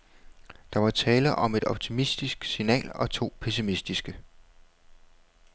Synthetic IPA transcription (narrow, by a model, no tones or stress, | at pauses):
d̥ɑ̈ʋɑ̈t͡sʰɛːləʔɒ̽me̝d̥ɒ̽b̥̚t͡sʰimisd̥isɡ̥sinɛ̰ːlɒ̽t͡sʰo̝̰ːpʰesimisd̥isɡ̥ə